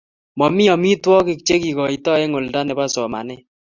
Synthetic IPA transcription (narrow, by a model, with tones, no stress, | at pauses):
mɔ˨mi˦ɔ˨mi˦twɔ˦kɪ˦˨k̚t͡ʃe˦ki˨kɔ˨i˨tɔ˦e˦ŋo˨lda˦nɛ˨ba˦sɔ˨ma̰˨nɛ˦